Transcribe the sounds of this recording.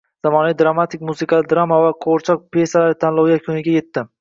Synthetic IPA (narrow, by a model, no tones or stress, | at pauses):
z̥amɒnavid̪ɾamat̪ʰɪk̚ʲmusɨqɑlɪd̪ɾamːavaqʰoɾt͡ʃʰɒq̚pʰe̞salaɾɪt̪ʰanlˠɒwjakʲʰɵnɪɡʲaje̞t̪ːɪ